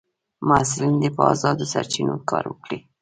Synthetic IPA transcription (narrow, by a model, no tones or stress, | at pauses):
maslind̪epəɑzɑd̪osaɾt͡ʃinokɑɾwəkɽi